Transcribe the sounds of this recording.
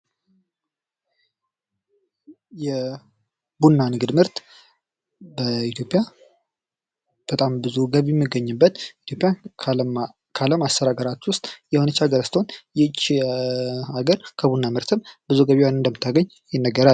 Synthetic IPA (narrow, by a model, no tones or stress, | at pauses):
jɛ | bunːanɨɡɨd̪mɨɾt̪ | bəit̪ʰjo̞pʼːja | b̥ət̪ʼambɨzuɡəβɛmːɨɡːəɲːɨbːət̪it̪ʰjo̞pʼja | kʰaləmast̪əɾaɡəɾat̪wʊst̪ʼjɛhonət͡ʃːaɡəɾast̪ʰonjɛt͡ʃːi | aɡəɾkʰəbunːamɨɾt̪ʰɨmb̥ɨzuɡəβiwanɨnd̪əmːɨt̪ʰːaɡəɲː | jɪnːəɡːəɾa